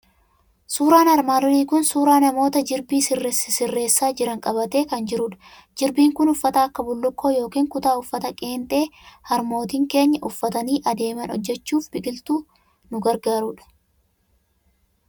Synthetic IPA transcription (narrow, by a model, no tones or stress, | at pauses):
suːɾaːnɐɾmaːrriːkʊnsuːɾaːnɐmo̞ːt̪ɐd͡ʒɪɾbiːsɪrːssɪrːe̞ːsːaːd͡ʒɪɾɐŋkʼɐbɐt̪e̞ːkɐnd͡ʒɪɾʊᶑɐ̥ | d͡ʒɪɾbiːŋkʊnʊfːɐt̪ɐːɐkːɐbʊlːʊkːo̞ːjo̞ːkiːŋkʊt̪aːʊfːɐt̪ɐkʼe̞ːnt̪ʼe̞ːhɐɾmo̞ːt̪iːŋke̞ːɲːɐʔʊfːɐt̪ɐniːʔɐd̪e̞ːmɐnɔ̰d͡ʒːɛt͡ʃːuːfbɪkʼɪlt̪uː | nʊɡɐɾɡaːɾuːᶑɐ̥